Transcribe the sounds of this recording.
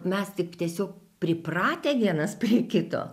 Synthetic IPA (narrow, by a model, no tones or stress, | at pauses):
mʲɛst̪ʲɪkt̪ʲiɛsʲoːk | pʲɾʲɪprɑːt̪ʲeːʋʲiɛnɐspʲrʲiɛkʲɪt̪o̰ː